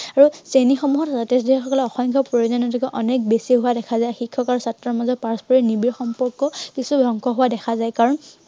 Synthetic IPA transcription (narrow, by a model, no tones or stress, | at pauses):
aɹusenixɔmuɦɔtzatesdʱiɛxɔkɔlɛɔxɔŋkʰɔpɹojozɔnɔtʰikɔʔɔnɛk̚besiɦʊwadɛkʰazajxikʰːɔkaɹusatɹɔmazɔt̚paɹspʰɔɹinibiɹxɔmpɔɹkːɔkisubʱɔŋkʰɔɦʊwadɛkʰazajkaɹɔn